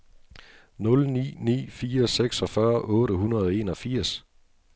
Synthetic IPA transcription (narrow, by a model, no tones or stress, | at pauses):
nɔ̽lnḭːnḭːfiːɐseɡ̥sɒ̽fɶɐʔɔ̽ːɾəɦunɐð̞̩ˠɒe̝nɒ̽fiɐ̰s